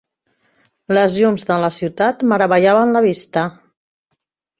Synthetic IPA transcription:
ləzʎumzðələsiwt̪at̪məɾəβəʒaβənləβist̪ə

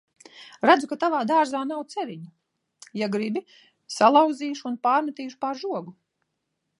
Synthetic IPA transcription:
ɾad̪zukat̪avaːd̪aːɾzaːnawt̪sɛvʲiɲu | jaɡɾibi | salˠawd̪ziːʃunpaːɾmat̪iːʃu̥paɾʒuɔɡu

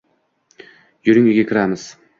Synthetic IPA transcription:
jʊɾɪŋɪɡʲakʲʰɪɾamɪz̥

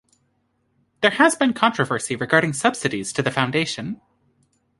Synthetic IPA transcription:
ðə˞ɨzbɨ̃nkʰɑ̃nt͡ʃɹ̥ɨvɜ˞siɹɨɡɑɹɾɪ̃ŋsʌb̥sɨɾiz̥tʰɨðɨfãʊ̃ndeɪʃɨ̃n

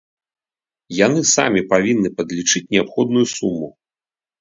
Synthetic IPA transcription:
janɨsa̰mʲipavʲinːɨpɐd̪lʲit͡ʂɨt͡sʲnʲɛapxɔd̪nujusumːu

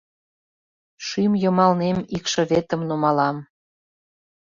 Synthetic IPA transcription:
ʃymjɤmɑlnemikʃɤ̆βet̪ə̆mnumɑlɑm

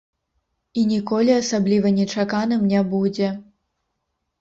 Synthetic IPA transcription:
inʲikɔlʲiasablʲivɐnʲɛt͡ʂakanɨmnʲabud͡zʲɛ

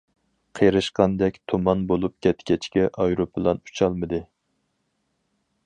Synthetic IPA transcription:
qʰejɾɨʃqɑnd̪ɛkʲt̪ʰomɑnbolˠup̚kʲʰɛt̪kʲɛt͡ʃkʲɛʔɑjɾopʰɨlˠɑnu̥t͡ʃʰɑlˠmɨd̪ɨ

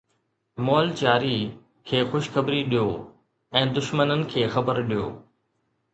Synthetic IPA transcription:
mɔːlt͡ɕaːɾi | kʰeːxʊʃxɐbɾiɗijoː | ɛ̃ːd̪ʊʃmənənɪ̆kʰeːxɐbəɾɗijo̰ː

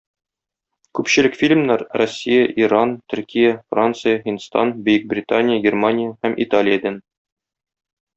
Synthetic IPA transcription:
kʉpɕɘ̆lɘkfʲilʲmnæɾrosʲːijəʔiɾant̪ɵ̆rkʲijəfrant̪sɨjəhinst̪ɑnbɵ̆jɘk̚brʲɪt̪anʲɪjəɡʲermanʲɪjəhæmʔit̪alʲɪjəd̪æn

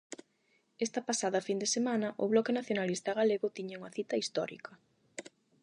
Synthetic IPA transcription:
ɛst̪ɐpasaðɐfind̪esemanɐʔʊβlɔkenaθjonalist̪ɐɣaleɣʊt̪iɲauŋɐθit̪ɐist̪ɔ̰ɾḭkʰɐ

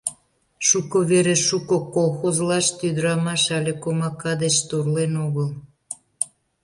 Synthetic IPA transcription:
ʃukoβeɾeʃukokolˠxozlɑʃt̪yd̪əɾɑmɑʃɑlʲekomɑkɑd̪et͡ɕt̪urlenoɣəl

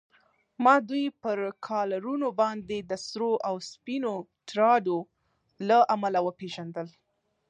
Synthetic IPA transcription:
mɑd̪ujpəɾkʰɑlaɾunobɑnd̪ed̪əsɾoʔawspinoʈɾɑɖo | laʔamalawəpeʒand̪əl

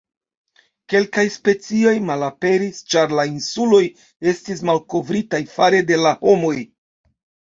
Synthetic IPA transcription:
ke̞lkajspe̞t͡sio̞jmalape̞ɾist͡ʃaɾlainsulo̞j | e̞stis̬malko̞vɾitajfaɾe̞de̞laho̞mo̞j

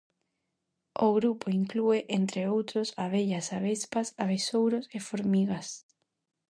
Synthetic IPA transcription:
oɣɾupoiŋklueʔent̪ɾeowt̪ɾosaβ̞eʎasaβespasaβesowɾosefoɾmiɣas

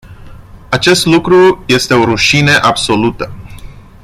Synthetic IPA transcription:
at͡ʃe̞st̪lukɾuje̞st̪e̞o̞ɾuʃinəʔabso̞lut̪ə

